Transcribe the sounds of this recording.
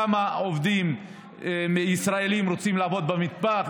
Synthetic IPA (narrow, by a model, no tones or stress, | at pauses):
amaovd̪im | meisʁae̞limɾot͡simlaːvo̞d̪̚bamit̪baχ